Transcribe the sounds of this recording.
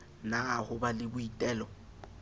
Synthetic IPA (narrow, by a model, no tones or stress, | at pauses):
nahʊbalɪbʊitʼɛːlɔ